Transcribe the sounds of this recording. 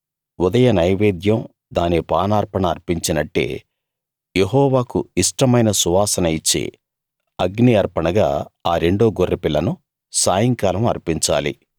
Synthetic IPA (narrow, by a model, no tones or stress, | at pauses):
ud̪ɐjɐnɐjʋeːd̪jɐm | d̪aːnipaːnaːɾpɐɳɐːɾpiɲt͡ʃinɐʈːḛː | jeɦɔːʋaːkuiʂʈɐmɐjnɐsuʋaːsɐnɐjit͡ʃːḛː | ɐɡniɐɾpɐɳɐɡa̰ːaːɾe̞ɳɖoːɡorːipilːɐnu | saːjɐŋkaːlɐmɐ̰ɾpiɲt͡ʃa̰ːlḭ